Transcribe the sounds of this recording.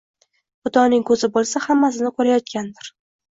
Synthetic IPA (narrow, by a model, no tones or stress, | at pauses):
bʊt̪ɒnɪŋkʰɵzɪbolˠsahamːas̬ɪnɪkʰɵɾajɒt̪̚kʲand̪ɪɾ